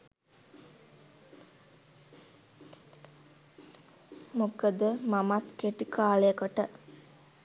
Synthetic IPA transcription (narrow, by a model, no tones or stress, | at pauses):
mukəd̪əmamat̪keʈikʰaːləjəkəʈə